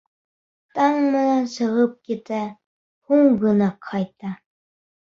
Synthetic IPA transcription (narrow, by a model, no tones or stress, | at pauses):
t̪ɑŋmɘ̆nænsɤ̆ʁɤp̚kit̪æ | huɴɢɤ̆nɑqʰːɑjt̪ɑ